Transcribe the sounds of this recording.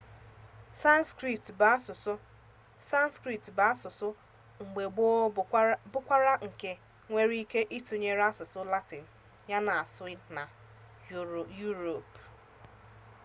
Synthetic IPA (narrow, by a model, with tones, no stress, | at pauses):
sa˦nskɾi˨tba˦sʊ˨s | sa˦n˦skɾi˨tba˦sʊ˨sʊ˦ | ŋ͡m̩˨ɡ͡be˨ɡ͡bo˦ | bʊ˦kʷa˦ɾa˦ŋ̩˨ke˨ | ŋʷe˦ɾi˦ke˦ʔi˦tu˨ɲe˦ɾa˦sʊ˨sʊ˦la˦tɪ˨n̩˨ | ɲa˦na˨a˨sʊ˦ɪ˦na˨ | ju˦ɾo˨p